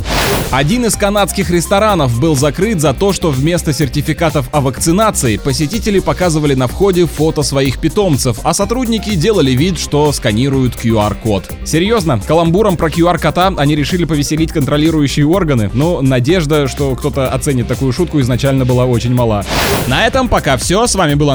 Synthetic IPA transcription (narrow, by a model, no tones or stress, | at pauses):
ɐdʲinɪskɐnat̪skʲɪxɾʲɪst̪ɐɾanəfbɨlˠzɐkɾɨt̪zɐt̪o̞ʂt̪o̞vmʲe̞st̪əsʲɪrtʲɪfʲɪkat̪əfɐvəkt̪sɨnat̪sɨɪpəsʲɪtʲitʲɪlʲɪpɐkazɨvəlʲɪnɐfxo̞dʲɪfot̪əsvɐixpʲɪt̪o̞mt̪sɨfɐsɐt̪ɾudʲnʲɪkʲɪdʲe̞lˠəlʲɪvʲit̪ʂt̪o̞skɐnʲiɾʊjʊt̪kjʊarko̞t̪ | sʲɪɾʲjo̞znəkəlˠɐmbuɾəmpɾəkʲjʊarkɐt̪aɐnʲiɾʲɪʂɨlʲɪpəvʲɪsʲɪlʲitʲkənt̪ɾɐlʲiɾʊjʉɕːɪjəo̞rɡənɨ̰nonɐdʲe̞ʐd̪əʂt̪o̞kt̪o̞t̪əɐt̪sɛnʲɪt̪ːɐkujʊʂut̪kʊɪznɐt͡ɕælʲnəbɨlˠao̞t͡ɕɪnʲmɐlˠanɐɛt̪əmpɐkafsʲosvamʲɪbɨlˠə